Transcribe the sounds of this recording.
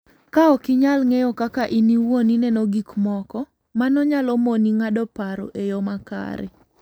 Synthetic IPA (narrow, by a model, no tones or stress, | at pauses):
kaɔkɪɲalŋejokakaʔiniwoninɛnoɡikmɔkɔ | manɔɲalɔmoniŋadɔpaɾo̰ʔejomaka̰ɾɛ̰